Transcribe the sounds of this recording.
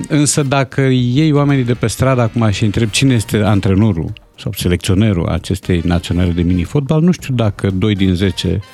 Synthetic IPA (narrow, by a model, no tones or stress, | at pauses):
ɨnsəd̪akʰəje̞joame̞nid̪e̞pe̞st̪ɾad̪aːkumaʃiɨnt̪ɾeb̚t͡ʃineje̞st̪e̞ant̪ɾenuɾṵ | sa̰wse̞le̞kt̪sio̞ne̞ɾṵa̰t͡ʃe̞st̪e̞jnat̪sionale̞d̪e̞minifo̞t̪̚balnuʃt̪iud̪akəd̪o̞jd̪inze̞t͡ʃe̞̰